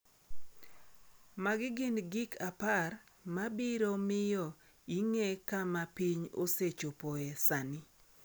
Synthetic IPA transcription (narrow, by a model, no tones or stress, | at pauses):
maɡɪɡɪnɡikʰapar | mabiɾomɪjɔ | iŋekamapiɲo̰set͡ʃopoesanɪ